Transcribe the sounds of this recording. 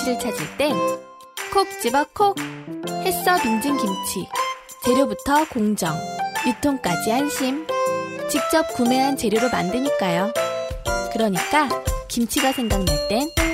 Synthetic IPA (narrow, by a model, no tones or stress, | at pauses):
ɾɯɭt͡ɕʰad͡ʑiɭt͈e̞n | kʰok̚t͡ɕ͈ibakʰok̚he̞s͈ʌbiŋd͡ʑiŋkimt͡ɕʰi | t͡ɕe̞ɾjobutʰʌkoŋd͡ʑʌŋjutʰoŋk͈ad͡ʑihanɕʰimt͡ɕik̚t͡ɕ͈ʌp̚kumeɦant͡ɕe̞ɾjoɾoma̰ndɯɲik͈ajo | kɯɾʌɲik͈akimt͡ɕʰiɡasʰe̞ŋɡaŋneɭt͈e̞n